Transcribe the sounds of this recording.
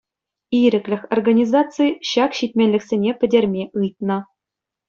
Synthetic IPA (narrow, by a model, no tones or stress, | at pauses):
iɾʲɘ̆klʲɘ̆xʲorɡanʲizɑtt͡sɨjɕɑkɕitʲmʲenʲlʲɘ̆ksʲenʲepʲɘ̆dʲerʲmʲeʔɯjt̪̚nɤ̆